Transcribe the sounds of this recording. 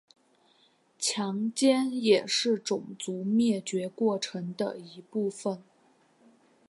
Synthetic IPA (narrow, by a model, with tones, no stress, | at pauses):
t͡ɕʰjɑ˧˥ŋt͡ɕjɛ˥njɛ˨˩ʂɻ̩˥˩ʈ͡ʂʊ˨˩ŋt͡su˧˥mjɛ˥˩t͡ɕɥɛ˧˥kwɔ˥˩ʈ͡ʂʰɤ˧˥ŋd̪ə̰˧i˧˥pu˥˩fə˨˩n